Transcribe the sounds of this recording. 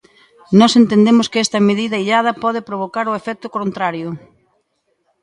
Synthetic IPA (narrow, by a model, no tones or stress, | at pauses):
nɔsent̪end̪emʊskɪɛst̪ɐmeðiðɐiʎað̞ɐpɔð̞ɪpɾoβ̞okaɾoefɛk̚t̪ʊkont̪ɾaɾjʊ